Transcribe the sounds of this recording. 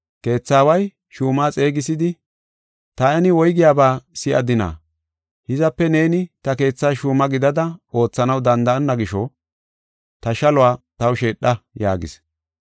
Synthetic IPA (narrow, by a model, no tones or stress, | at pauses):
ke̞ːt͡sːaːwɐj | ʃuːmaːt͡sʼe̞ːɡɪsɪd̪ɪ | t̪ɐɛnɪwɔjɡɪjaːbaːsɪʔɐ̰d̪ɪna̰ː | hɪzɐpːɛne̞ːnɪt̪ɐke̞ːt͡sːaːʃuːmɐɡɪd̪ɐd̪ɐo̞ːt͡sːɐnɐwd̪ɐnd̪ɐɐnːɐɡɪʃɔ | t̪ɐʃɐlʊaːt̪ɐwʃe̞ːɗːɐja̰ːɡɪ̰s